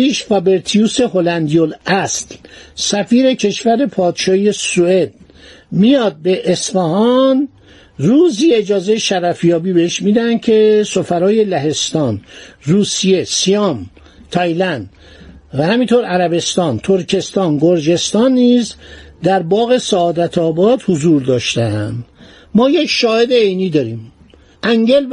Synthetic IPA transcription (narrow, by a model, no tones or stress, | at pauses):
iːʃfɒbe̞ɾt̪ʰijuːse̞ɦolænd̪ijolæslsæfiːɾe̞cʰe̞ʃvæɾe̞pʰɒːd̪̥ʃɒːhije̞sue̞d̪̚ | mijɒːd̪̚beʔːsfæhɒn | ruːziːe̞d͡ʒɒːze̞jeʃæɾæfjɒːbiːbe̞heʃmiːd̪æhænd̪̚cʰe̞sofæɾɒːje̞læɦe̞st̪ɒːnruːsije̞sijɒm | t̪ʰɑjlænd̪ | væhæmint̪ʰoɾæɾæbe̞st̪ɒːnt̪ʰoɾcʰe̞st̪ɒːnɡoɾd͡ʒe̞st̪ɒːnːiːzd̪æɾbɒːɣe̞sæːd̪æt̪ʰɒːbɒːd̪hozuːɾd̪ɒːʃt̪eænd̪ | mɒːjecʰʃɒːhe̞d̪eejniːd̪ɒːɾiːm | ʔæŋɟel